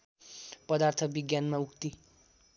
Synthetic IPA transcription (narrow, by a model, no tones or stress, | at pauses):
pʌd̪art̪ʰʌbiɡjanmaukt̪i